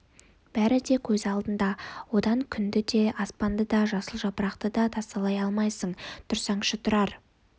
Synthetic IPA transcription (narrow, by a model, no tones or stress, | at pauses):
b̥æɾɪd̪e̞kʲʰɵzɑlˠd̪ənd̪ɑwo̞d̪ɑŋkʲʰʏnd̪ɪd̪e̞ɑspɑnd̪əd̪ɑʒɑsəlˠʒɑpəɾɑqt̪əd̪ɑt̪ʰɑst̪ɑlˠɑjɑlˠmɑjsəɴt̪ʰʊɾsɑɴʃət̪ʰʊɾɑɾ